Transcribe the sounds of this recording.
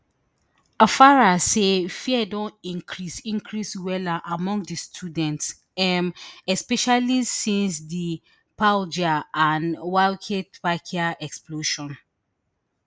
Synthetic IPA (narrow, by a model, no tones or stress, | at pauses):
afaɹasefiɛdɔ̃nĩŋkʰɹisĩŋkʰɹiswɛlaʔamɔ̃ŋɡdistʰudɛ̃nts | ɛmɛspɛʃalisĩnsdi | pald͡ʒaãnwalkʰetpakʰiaʔɛksploʃɔ̃n